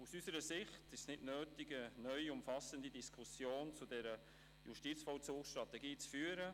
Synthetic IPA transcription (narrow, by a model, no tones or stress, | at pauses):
usysəɾəsɪχtɪʃsnɪtnøːtiɡənœʏʊmfɑsəndidiskʰusjoːnt͡sudɛɾə | jṵʃtit͡sfɔlt͡suːksʃtɾɑtɛɡiːt͡sfyːəɾə